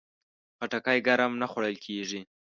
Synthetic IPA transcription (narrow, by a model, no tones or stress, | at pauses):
paʈakajɡaɾamnaxwaɽəlkʰeʐi